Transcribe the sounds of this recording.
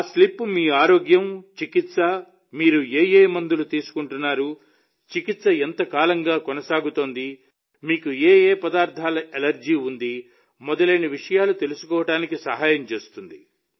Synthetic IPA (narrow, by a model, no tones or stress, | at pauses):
slipːumiːaːɾoːɡjɐmt͡ʃikit̪sɐ | miːɾueːjeːmɐnd̪ulut̪iːsu̥kuɳʈunːaːɾu | t͡ʃikit̪sɐent̪ɐkaːlɐŋɡaːkɔnɐsaːɡut̪o̞ːnd̪i | miːkueːeːpɐd̪aːɾt̪ʰaːlɐelɐɾd͡ʒiːund̪i | mɔd̪ɐleːniʋiʂɐjaːlut̪e̞lusu̥kɔːʋɐʈaːnikisɐɦaːjɐmt͡ʃe̞ːst̪und̪i